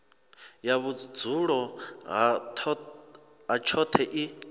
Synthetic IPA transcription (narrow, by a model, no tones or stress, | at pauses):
jaβud͡zuɺɔɦatʰ | at͡ʃʰɔt̪ʰɛʔi